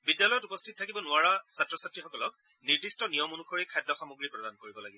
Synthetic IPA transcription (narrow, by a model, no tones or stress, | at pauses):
bidjalɔjɔtupɔstʰit̚tʰakibɔnʊaɹasatɹɔsatɹixɔkɔlɔk̚ | niɹdistɔnijɔmunuxʰoɹikʰajdːɔxamuɡɹipɹɔdankoɹibɔlaɡibɔ